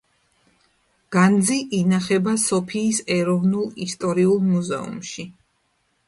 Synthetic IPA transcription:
ɡ̥and̪ziʔinaχɛbasɔpʰiːsɛɾɔvnulˠist̪ʼɔɾiulˠmuzɛ̰ṵmʃi

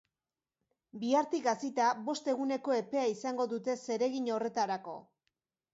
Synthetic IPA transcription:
biaɾt̪iɡasit̪aβo̞st̪e̞ɣune̞ko̞e̞pe̞aisaŋɡo̞ðut̪e̞se̞ɾe̞ɣiɲo̞re̞t̪aɾako̞̰

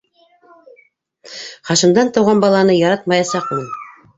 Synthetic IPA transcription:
χɑʃɤ̆nd̪ɑnt̪ɑ̆wʁɑnbɑlˠɑnɤjɑɾɑt̪mɑjɑsɑqmin

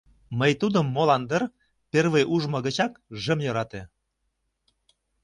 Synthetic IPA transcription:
məjt̪ud̪ə̆mːolɑnd̪ər | perβejʔuʒmɤ̆ɣə̆t͡ɕɑkʒə̆mjɤ̆ɾɑt̪e

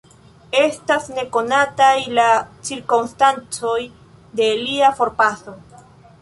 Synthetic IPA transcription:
e̞stasne̞ko̞natajlat͡siɾkomstant͡so̞j | de̞liafo̞ɾpaso̞

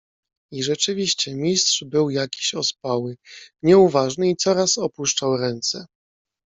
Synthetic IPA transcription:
iʐɛt͡ʂɘvʲiɕt͡ɕɛmʲist̪ʂbɘwjakʲi̥ɕɔspawɘɲɛuvaʐnɘit̪sɔɾasɔpuʂt͡ʂawɾɛnt̪sɛ

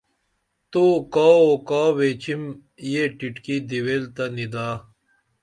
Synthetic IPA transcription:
t̪oːkaːokaːwet͡ɕim | jeʈiʈkid̪iwelt̪ɐnid̪aː

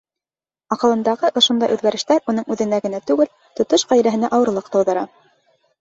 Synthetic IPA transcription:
ɑqɤ̆lˠɤ̆nd̪ɑʁɤʔŏʃond̪ɑjʔʉðɡæɾɘ̆ʃt̪æɾunɤɴʉðɘ̆næɡɘ̆næt̪ʉɡɘl | t̪ŏt̪oʃʁæjɾæɦɘ̆næʔɑwɤ̆ɾlˠɤqt̪ɤ̆wðɤ̆ɾɑ

